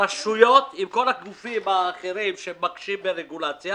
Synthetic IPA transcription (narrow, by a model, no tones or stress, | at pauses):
aʃujo̞t̪imko̞laɡufimaːχeɾimʃemːakʃimbeʁeɡulat͡sja